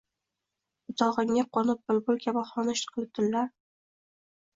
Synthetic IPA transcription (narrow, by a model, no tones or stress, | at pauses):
ʊt̪ʰɒʁɨŋːaqʰɒnɪp̚bʊlbʊlˠkʲʰabaχɒnaʃt̪qʰlɪt̪ʰɪnlaɾ